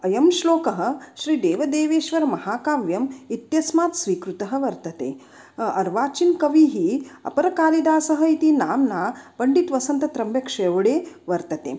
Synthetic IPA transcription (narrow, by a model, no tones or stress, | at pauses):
ɐjɐmʃloːkɐɦɐ̆ʃɾiːd̪eːʋɐd̪eːʋeːʃʋɐɾmɐɦaːkaːʋjɐmit̪jɐsmaːt̪sʋiːkɾut̪ɐɦɐ̆ʋɐɾt̪ɐt̪ḛː | ɐɾʋaːt͡ʃinkɐʋiːɦiɐ̰pɐɾɐkaːɾid̪aːsɐɦɐ̆it̪inaːmnaːpɐɳɖit̪ʋɐsɐnt̪ɐt̪ɾɐmbjɐkʂeːʋɐɽeːʋɐɾt̪ɐt̪ḛː